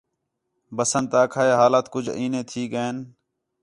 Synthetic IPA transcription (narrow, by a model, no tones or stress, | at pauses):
bəsənt̪aːkʰaːeːɦaːlaːt̪kʊd͡ʒʱiːnẽːt̪ʰiːkəeːn